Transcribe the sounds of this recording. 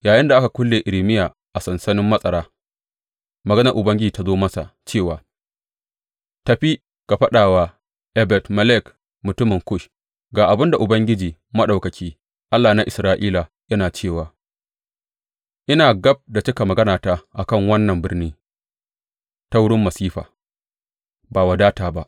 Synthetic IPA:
jaː˨jɪ˦nda˨ʔa˦ka˨kʷʊ˦lːeː˨ʔɪ˨lɪ˨mɪ˦jaː˨ | ʔa˨sɐ˨nsɐ˦nɪ˦mːɐ˦sʼɐ˨ɽaː˦ | mɐ˨ɡɐ˦nɐ˨ɾʔʊ˨bɐ˦ŋɡʲɪ˦d͡ʒiː˨ta˦zoː˦mɐ˦sa̰˨t͡ʃeː˦˨waː˨ | tɐ˨ɸi˦ | ka˨ɸɐ˦ɗaː˨waː˨ | ʔɛ˦bɛ˨tmɐ˦lɛ˦˨k | mʊ˨tʊ˦mɪ˨ŋkʊ˦ʃ | ɡaː˨ʔa˨bɪ˦nda˨ʔʊ˨bɐ˦ŋɡʲɪ˦d͡ʒiː˨ | mɐ˦ɗa˨wkɐ˨kʲiː˦ | ʔa˦lːaː˨na˦ʔɪ˨sɾaː˦ʔiː˦la˨ | jɐ˦naː˨t͡ʃeː˦˨waː˨ | ʔɪ˦naː˨ɡɐ˦b̚da˨t͡ʃɪ˦ka˨mɐ˨ɡɐ˦naː˨ta˨ʔa˨kɐ˦˨ŋwɐ˦nːɐ˨mbɪ˦rniː˦ | ta˦wʊ˦ɽɪ˦mːɐ˨siː˦ɸa̰ː˨ | baː˨wa˨daː˦taː˨ba˦ʔ

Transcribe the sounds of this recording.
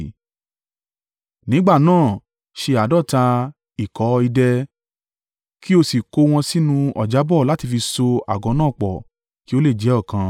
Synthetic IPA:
nĩ˨˦ɡ͡ba˦˨nãː˦˨ | ʃe˧a˨dɔ˦˨ta˧ | i˨kɔ˨˦i˧dɛ˧ | ki˦o˧si˨ko˧w̃ɔ̃˧si˦nũ˧ɔ˨d͡ʒa˨˦bɔ˦˨la˦ti˧fi˧so˧a̰˨ɡɔ̃˨˧˦nãː˦˨k͡pɔ˨ | ki˨˦o˦le˦˨d͡ʒɛ˨˦ɔ˦˨kã˧

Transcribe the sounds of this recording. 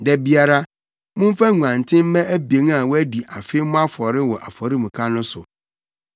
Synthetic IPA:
dɛ˦bi˦a˨ɾa˦ | mʊ̃˦m˦fa˦ŋu˨ã˨n˨tʰɪ̃˦m˦mɛ̃˦ʔæ˦be˨˦ŋ˦a˨wɔ˦æ˦di˨ʔa˨fe˦mʊ̃˦a˦fɔ˨ɾɪ˦wɔ˨ʔa̰˨fɔ˨ɾi˦mũ˨kʰa˦nʊ̃˦sʊ˨

